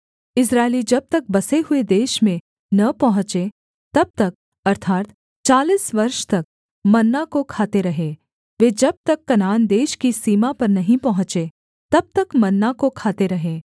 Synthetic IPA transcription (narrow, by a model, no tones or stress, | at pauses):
ɪs̬ɾaːelid͡ʒɐb̚t̪ɐk̚bɐseɦʊed̪eːʃmẽ | nɐpɐɦʊ̃t͡ʃe | t̪ɐb̚t̪ɐk̚ | ɐɾt̪ʰaːt̪ | t͡ʃaːliːsʋɐɾʃt̪ɐk̚ | mɐnːakokʰaːt̪eɾɐɦe | ʋeːd͡ʒɐb̚t̪ɐkːɐnaːnd̪eːʃkisiːmapɐɾnɐɦĩpɐɦʊ̃t͡ʃe | t̪ɐb̚t̪ɐkmɐnːakokʰaːt̪eɾɐɦeː